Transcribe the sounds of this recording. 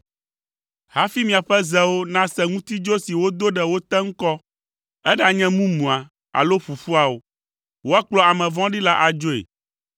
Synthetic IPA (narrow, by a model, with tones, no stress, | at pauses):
ha˦fi˦mĩ˨a˨ɸɛ˦zɛ˨wo˦nã˦sɛ˦ŋũ˦t̪i˦d͡ʒo˦si˨wo˦d̪o˦ɖɛ˨wo˦t̪ɛ˦ŋ̩˦kɔ˦ | ɛ˦ɖa˨ɲɛ̃˦mũ˦mũ˨a˨ | a̰˨lo˦ɸu˨fu˦a˨wo˨ | wo˦a˦k͡plɔ˦a˨mɛ̃˨vɔ̃˦ɖi˦la˦ʔa˨d͡ʒo˦ḛ˨